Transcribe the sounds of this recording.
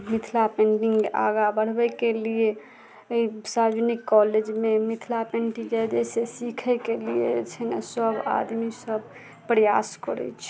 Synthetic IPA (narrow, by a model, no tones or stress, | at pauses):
mit̪ʰlapẽɳɖĩŋkeʔa̰ɡabəɽ̤bɛkelie | sad͡ʒnikːɔled͡ʒmemit̪ʰlapẽɳʈid͡ʒajd̪esesikʰɛkelijḛt͡ʃʰɛnsəba̰d̪misəb | pɾəjaskəɾɛ̰t͡ʃʰ